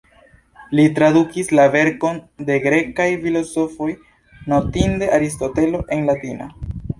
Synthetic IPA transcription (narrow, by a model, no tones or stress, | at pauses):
litɾadukislave̞ɾko̞nde̞ɡɾe̞kajfilo̞so̞fo̞j | notinde̞ʔaɾisto̞te̞lo̞ʔe̞nlatina